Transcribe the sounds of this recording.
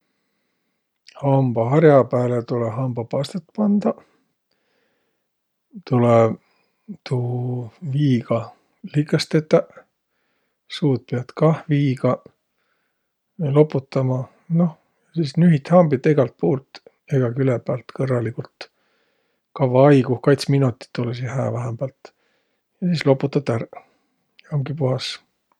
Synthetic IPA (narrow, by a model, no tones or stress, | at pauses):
hɑmb̥ɑɦɑɾjɑpæːlet̪uleɦɑmb̥ɑpɑst̪et̪ːˑpɑnd̪̥ɑ | t̪ulɛ | t̪ʰuːviːɡɑ | likːˑɑst̪et̪ˑːɑ | suːt̪̚peɑt̪kɑhviːɡɑ | lo̞pːˑut̪ːˑɑmɑ | no̞h | jɑsiːsnyɦit̪hɑmb̥it̪ːeɡɑlt̪̚puːlt̪ | eɡ̥ɑkylɛbæːlt̪kɤrːɑlikult̪ | kɑvɑɑjɡuhkɑjt̪sminut̪ːˑi̥t̪ːulesihæ̰ːvæɦemb̥ɑlt̪ | jɑsiːslo̞pːˑut̪ːˑɑt̪ːæɾ | hɑmɡipuɦɑs